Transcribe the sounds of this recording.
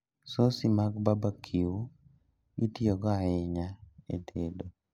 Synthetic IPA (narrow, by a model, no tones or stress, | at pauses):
sosimaɡbabakʰiu | ɡitiɔɡɔaɪɲaḛtʰedo